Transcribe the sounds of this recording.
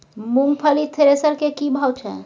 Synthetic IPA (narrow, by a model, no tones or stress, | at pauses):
muŋpʰəlit̪ʰeɾesəɾkekibʱawt͡ʃʰɛ̰̃